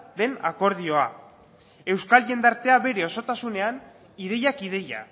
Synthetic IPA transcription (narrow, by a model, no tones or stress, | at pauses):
ðe̞na̰ko̞ɾð̞io̞a | e̞wskalʝe̞nd̪aɾt̪e̞aβe̞ɾe̞o̞so̞t̪asune̞an | iðe̞jakiðe̞ja̰